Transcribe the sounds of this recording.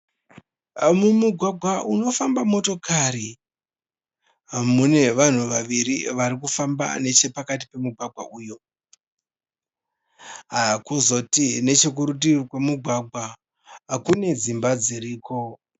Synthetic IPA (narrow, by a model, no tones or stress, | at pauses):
mumuɡʱwaɡʱwaʔuno̞fambamo̞to̞kaɾi | mune̞ʋan̤uʋaʋiɾiʋaɾikufamba̰ne̞t͡ʃe̞pakat̬i̥pe̞muɡʱwaɡʱwa̰ʔuːjo̞ | ɦakuzo̞tine̞t͡ʃe̞k̬uɾutikwamuɡʱwaɡʱwa | akune̞d͡zimbad͡ziɾiːko̞